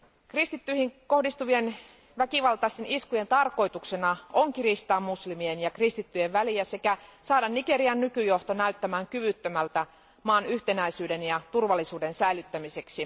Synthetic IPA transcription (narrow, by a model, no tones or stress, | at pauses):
krist̪it̪ːyihiŋko̞hdist̪uʋie̞n | ʋækiʋɑlt̪ɑist̪e̞niskuje̞nt̪ɑrko̞jt̪uksenɑʔoŋkirist̪ɑːmːuslimienjɑkrist̪it̪ːyje̞ʋʋæliæse̞kæsɑːdɑnːike̞ɾiɑnːykyjo̞ht̪o̞næyt̪ːæmæːŋkyʋyt̪ːømælt̪æ | mɑːnyht̪e̞næisyːde̞njɑt̪urʋɑlːisuːde̞nsæilyt̪ːæmise̞ksi